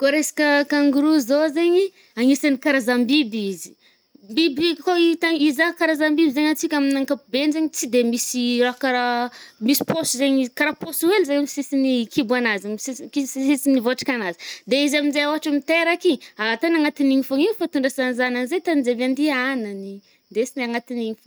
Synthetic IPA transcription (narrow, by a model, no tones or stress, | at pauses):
koɾesḁkʲəkaŋɡuɾuzozeɲi | aŋisanikaɾazambibizi̥ | mbibikoit̪aizakaɾazambibizeɲat͡sikʲaminaŋkapubenzeɲit͡sid̪emisiɾakaɾamisi̥posuzeɲikaɾaposuwelzeisisinikʰibuanazasikissisinivoaʈ͡ʂḁkʲanazi̥d̪eizaminzejaaʈ͡ʂamit̪eɾakiat̪anaŋat̪iniŋifaŋiwfat̪uɳɖ͡ʐasanizananzejt̪anid͡zeband̪ianani | d̪esinaŋat̪iniɲif